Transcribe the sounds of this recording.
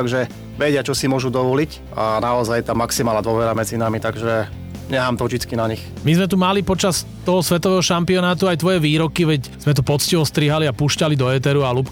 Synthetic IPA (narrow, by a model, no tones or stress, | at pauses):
t̪aɡʒɛ | ʋɛɟɪat͡ʃɔsimʊɔʒud̪ɔʋɔlic | anaɔzajt̪aːmaksimaːlnad̪ɔʋɛɾamɛd͡zinamit̪aɡʒɛ | ɲɛɦaːmt̪ɔʒd͡ʒit͡skinaɲix | mizmɛt̪umalipɔt͡ʃas | t̪ɔɦɔsʋɛt̪ɔʋɛːɦɔʃampiɔnaːt̪uajt̪ʋɔjɛʋiːɾɔkiʋɛcz̥mɛt̪̬ɔpɔt͡sciʋɔst̪ɾiɦaliapuːʃcalid̪ɔɛt̪ɛɾualup